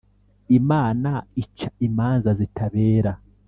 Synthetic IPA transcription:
imaːnait͡ʃaimaːnzazitʰaβe̞ːɾa

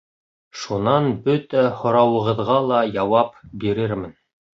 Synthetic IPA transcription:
ʃunɑnbɵt̪æhŏɾɑwɤ̆ʁɤ̆ðʁɑlˠɑjɑwɑpbiɾɘɾmɘn

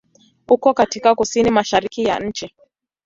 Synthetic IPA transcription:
ukɔkatikakusinimaʃaɾikija̰ɲ̩t͡ʃi

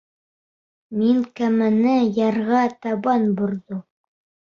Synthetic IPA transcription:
miŋkæmɘ̆nɘjɑɾʁɑt̪ɑβɑnbŏɾðo

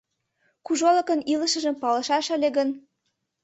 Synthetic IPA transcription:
kuʒoləkənilə̆ʃə̆ʒə̆mpɑlɤ̆ʃɑʃəlʲeɣən

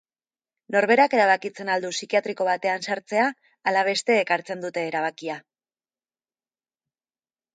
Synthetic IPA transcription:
no̞ɾβe̞ɾake̞ɾaβ̞akit͡se̞nald̪usikiat̪ɾiko̞β̞at̪e̞ansaɾt͡se̞aː | laβ̞e̞st̪e̞ːkaɾt͡se̞nd̪ut̪e̞ːɾaβ̞akia

